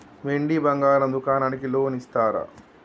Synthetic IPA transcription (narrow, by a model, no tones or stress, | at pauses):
ʋeɳɖibɐŋɡaːɾɐmd̪ukaːnaːnikiloːnist̪aːɾɐ̰